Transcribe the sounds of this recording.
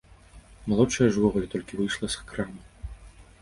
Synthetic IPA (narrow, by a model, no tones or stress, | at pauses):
malˠɔtt͡ʂɐjɐʐvɔɣulʲit̪ɔlʲkʲivɨjʂlˠɐskɾamɨ